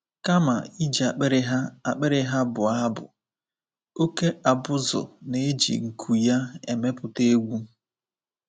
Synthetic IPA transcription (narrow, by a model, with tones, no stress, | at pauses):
ka˦ma˨i˦d͡ʒi˨a˨k͡pe˦ɾɪ˦ɦa˦a˨k͡pe˦ɾɪ˦ɦa˦bʊ˨a˦bʊ̰˨ | o˦ke˦a˨bʊ˦zʊ̰˨ne˦e˦d͡ʒḭ˨ŋ̩˨kʰu˨ja˦ḛ˨me˦pʊ˨te˦ɡʷu˦